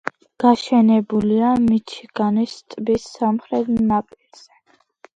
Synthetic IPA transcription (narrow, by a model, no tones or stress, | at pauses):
ɡ̥aʃɛnɛbuliamit͡ʃʰiɡ̥anist̪ʼbisamχɾɛt̪ʰnapʼiɾz̥ɛ